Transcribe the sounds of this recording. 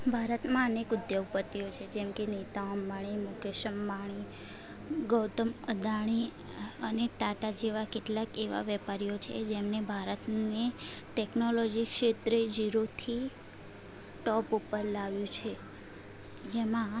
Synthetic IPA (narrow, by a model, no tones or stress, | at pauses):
bʱaɾət̪mãənekʊd̪joɡ̚pət̪ːiot͡ʃʰed͡ʒɛmkenet̪aomːaɽ̃imukeʃəmːaɳ̃i | ɡəwt̪əməd̪aɳ̃i | əneʈaʈad͡ʒeʋakeʈlakeʋa̰ʋɛpaɾijot͡ʃʰḛd͡ʒemnebʱaɾət̪neʈeknolɔd͡ʒikʃet̪ɾed͡ʒiɾot̪ʰi | ʈɔpupəɾlaʋjũt͡ʃʰe | d͡ʒemã